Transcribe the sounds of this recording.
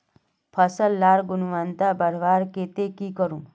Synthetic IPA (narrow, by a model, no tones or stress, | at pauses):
pʰʌsəlːaɾɡunuʋant̪abəɾʋaɾket̪ekikʌɾũ